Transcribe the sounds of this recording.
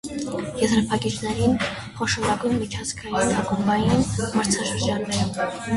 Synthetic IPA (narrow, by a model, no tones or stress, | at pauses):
jɛzɾɑpʰɑkit͡ʃnɛɾin | χɔʃɔɾɑɡujnmit͡ʃʰɑt͡sʰkʰɑjinɑkumbɑjinmɑɾt͡sʰɑʃəɾd͡ʒɑnːɛɾ